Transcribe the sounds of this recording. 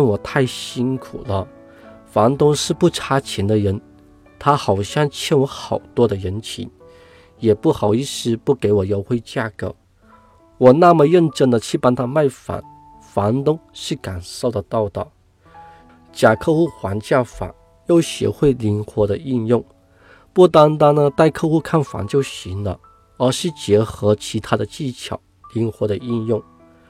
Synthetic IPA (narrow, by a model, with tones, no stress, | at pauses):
nwɔ˨˩t̪ʰa˥˩ɪɕi˥nkʰu˨˩lə˦ | fɑ˧˥nt̪ʊ˥ŋʂɻ̩˥˧pu˥˩ʈ͡ʂʰa˥t͡ɕʰjɛ˧˥nd̪ə˧ɻə˧˥n | t̪ʰa˥xɑ˨˩ʊɕjɑ˥˧ŋt͡ɕʰjɛ˥nwɔ˧˥xɑ˨˩ʊt̪wɔ˥d̪ə˨ɻə˧˥nt͡ɕʰḭ˧˥n | jɛ˨˩pu˥˩xɑ˨˩ʊi˥˩ʂɻ̩˥pu˥˩ke˧˥ɪwɔ˨˩jɑ˧˥ʊxwe˥ɪt͡ɕja˥˩kɤ˧˥ | wɔ˨˩na˥˩mə˨ɻə˥˧nʈ͡ʂə˥nd̪ə˨t͡ɕʰy˥˩pa˥nt̪ʰa˥ma˥˩ɪfa̰˧˥˦n | fɑ˧˥nt̪ʊ˥ŋʂɻ̩˥˩ka˨˩nso˥˩ʊd̪ə˨t̪ɑ˥˧ʊt̪ɑ̰˩ | t͡ɕja˨˩kʰɤ˥˧xu˥˩xwa˧˥nt͡ɕja˥˩fa̰˨˩˦ | jo˥˩ʊɕɥɛ̰˧˥xwe˥˩ɪli˧˥nxwɔ˧˥d̪ə˧i˥˧njʊ˥˩ŋ | pu˥˩t̪a˥nt̪a˥nnə˧t̪a˥˧ɪkʰɤ˥˧xu˥˧kʰa˥˩nfa̰˧˥ŋt͡ɕjo˥˧ʊɕi˧˥nlə̰˧ | ə˞˧˥ʂɻ̩˥˩t͡ɕjɛ˧˥xɤ˧˥t͡ɕʰi˧˥t̪ʰa˥d̪ə˨t͡ɕi˥˩t͡ɕʰjɑ̰˨˩˦ʊli˧˥ŋxwɔ˧˥ɾə˧i˥˧njʊ˥˩ŋ